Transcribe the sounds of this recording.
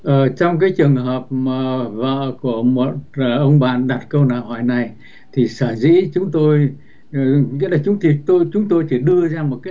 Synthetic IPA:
ʔəː˧˨˩t͡ɕɔ˧wŋ͡mk̬aː˨˦jt͡ɕɨ˨˩əŋɦəː˨˩p̚maː˨˩və̰ː˧˨ku˧˩əmo˨˩t̚ːʔə˧wŋ͡mɓa̰ː˧˨nɗa˨˩t̚kə˧wnaː˧˨˩whɔ˧˩jna˨˩j | t̪ʰi˨˩saː˧˩zḭ˧˥t͡ɕʊ˨˦ŋ͡mt̪o˧j | ŋḭ˧˥laː˨˩t͡ɕʊ˨˦ŋ͡mt̪ʰi˨˩t̪o˧jt͡ɕʊ˨˦ŋ͡mt̪o˧jt͡ɕi˧˩ɗɨ˧əzaː˧mo˨˩t̚kaː˨˦

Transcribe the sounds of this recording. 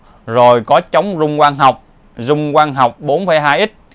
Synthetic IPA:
zo˨˩jkɔ˨˦t͡ɕə˨˦wŋ͡mzʊ˧ŋ͡mkwaː˧nɦa˨˩wk͡p̚ | zʊ˧ŋ͡mkwaː˧nɦa˨˩wk͡p̚ɓo˨˦nfə˨˧˦jɦaː˧jʔi˦˥t̚

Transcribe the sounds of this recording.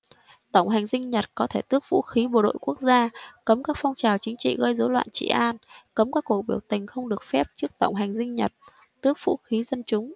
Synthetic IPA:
t̪ə˧˩wŋ͡mɦa˨˩jŋ̟zï˧ŋ̟ɲə˨˩t̚kɔ˨˦t̪ʰe˧˩t̪ɨ˦˥ək̚v̥ṵ˧˥xi˨˦ɓo˨˩ɗo̰˧˨jku˦˥ək̚zaː˧kə˨˦mkaː˦˥k̚fɔ˧wŋ͡mt͡ɕaː˨˩wt͡ɕï˨˦ŋ̟t͡ɕḭ˧˨ɣəː˧jzo˨˦lwa̰ː˧˨nt͡ɕḭ˧˨˩ʔaː˧nkə˨˦mkaː˦˥kːo˧˩ɓi˧˩əwt̪ï˨˩ŋ̟xə˧wŋ͡mɗɨ˨˩ək̚fɛ˦˥p̚t͡ɕɨ˦˥ək̚t̪ə˧˩wŋ͡mɦa˨˩jŋ̟zï˧ŋ̟ɲə˨˩t̚ | t̪ɨ˦˥ək̚v̥ṵ˧˥xi˨˦zə˧nt͡ɕʊ˨˦ŋ͡m

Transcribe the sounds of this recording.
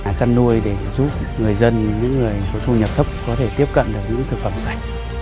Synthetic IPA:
t͡ɕa˧nːu˧əjɗe˧˩zuː˦˥p̚ | ŋɨ˨˩əjzə˧nɲɨ̰˧˥ŋːɨ˨˩əjfo˧˩t͡ɕʰu˧ɲə˨˩p̚t̪ʰə˦˥k͡p̚kɔ˨˦t̪ʰe˧˩t̪i˦˥əp̚kə̰˧˨nɗɨ˨˩ək̚ɲɨ̰˧˥ŋt̪ʰɨ˨˩k̚fə˧˩msa˦˩jk̟̚

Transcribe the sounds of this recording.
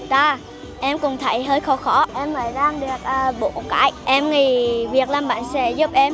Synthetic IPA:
t̪aː˧ | ʔɛ˧mkʊ̰˨˩ŋ͡mt̪ʰə˧˩jɦəː˧jxɔ˧˩xɔ˧˩˦ʔɛ˧mŋəː˨˩jɗaː˧ŋɗɨ˨˩ək̚ʔəː˧˩ɓo̰˧˨kaː˧˩˥jʔɛ˧mŋi˨˩vi˨˩ək̚laː˨˩mɓa̰ː˧˨nsɛ̰˧˥zu˦˥p̚ʔɛ˧m

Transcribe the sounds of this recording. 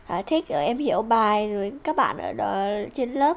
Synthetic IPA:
ʔaː˨˩t̪ʰi˦˥k̚ʔə˨˧˩ʔɛ˧mhi˧˩˨əwɓaː˨˩jzo˨˩jkaː˦˥k̚ɓa̰ː˧˨nʔəː˧˩ɗt͡ɕe˧nləː˦˥p̚

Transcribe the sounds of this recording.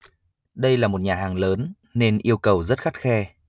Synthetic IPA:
ɗə˧jlaː˨˩mo˨˩t̚ɲaː˨˩haː˨˩ŋləː˨˦nː | e˧nʔi˧əwkə˨˩wzə˦˥t̚xa˦˥t̚xɛ˧

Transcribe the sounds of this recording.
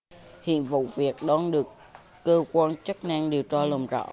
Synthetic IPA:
hḭ˧˨ənvṵ˧˨vi˨˩ək̚ɗɔ˧nɗɨ˨˩əkː | əː˧kwaː˧nt͡ɕə˦˥k̚na˧ŋɗi˨˩əwt͡ɕɔ˧lə˨˩mzɔ̰˧˥

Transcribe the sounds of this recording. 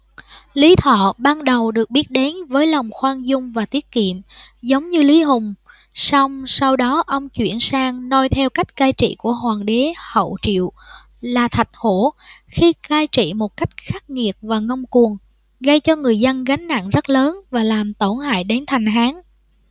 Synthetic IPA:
li˨˦t̪ʰɔ̰˧˨ɓaː˧nɗə˨˩wɗɨ˨˩ək̚ɓi˦˥ət̚ɗe˨˦nvəː˨˦jlwŋ͡mxwaː˧nzʊ˧ŋ͡mvaː˨˩t̪i˦˥ət̚kḭ˧˨əmzə˨˦wŋ͡mɲɨ˧li˨˦ɦʊ˨˩ŋ͡m | sɔ˧wŋ͡msa˧wɗɔ˨˦ʔə˧wŋ͡mt͡ɕwḭ˧˨ənsaː˧ŋno˧jt̪ʰɛ˧wka˦˥jk̟̚kaː˧jt͡ɕḭ˧˨ku˧˩əɦwaː˨˩ŋɗe˨˦hə̰˧˨wt͡ɕḭ˧˨əw | laː˨˩t̪ʰa˨˩jt̚ho˧˩xi˧kaː˧jt͡ɕḭ˧˨mo˨˩t̚ka˦˥jk̟̚xaː˦˥k̚ŋi˨˩ət̚vaː˨˩ŋə˧wŋ͡mku˨˩əŋ | ɣə˧jt͡ɕɔ˧ŋɨ˨˩əjzə˧nɣa˨˦jŋ̟na̰˧˨nzə˦˥t̚ləː˨˦nvaː˨˩laː˨˩mt̪o˧˩nha̰ː˧˨jɗe˨˦nt̪ʰa˨˩jŋ̟ɦaː˨˦ŋ

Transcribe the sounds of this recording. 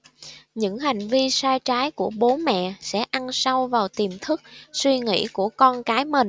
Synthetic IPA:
ɲɨ̰˧˥ŋɦa˨˩jŋ̟vi˧saː˧jt͡ɕaː˨˦jku˧˩əɓo˨˦mɛ̰˧˨sɛ̰˧˥ʔa˧nsa˧wvaː˨˩wt̪i˨˩mt̪ʰɨ˦˥k̚swi˧ŋḭ˧˥ku˧˩əkɔ˧nkaː˨˦jmï˨˩ŋ̟

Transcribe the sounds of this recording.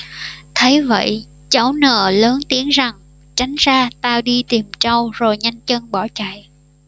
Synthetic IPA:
t̪ʰe˨˦jvə̰˧˨j | t͡ɕə˧˦wnə̰ː˧˩ləː˨˦nt̪i˨˦ənza˨˩ŋ | t͡ɕa˨˦jŋ̟zaː˧t̪aː˧ɗi˧t̪i˨˩mt͡ɕə˧wzo˨˩jɲa˧jŋ̟t͡ɕə˧nɓɔ˧˩t͡ɕa̰˧˨j

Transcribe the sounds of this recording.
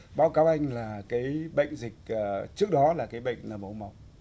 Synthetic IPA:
ɓaː˨˦wkaː˨˦wʔa˧jŋ̟laː˨˩kaː˨˦jɓə̰˧˨jŋ̟zï˨˩k̟̚ʔəː˨˩t͡ɕɨ˦˥ək̚ɗɔ˨˦laː˨˩kaː˨˦jɓə̰˧˨jŋ̟nəː˧˩mʔə˨˧˩wma˨˩˦w̚

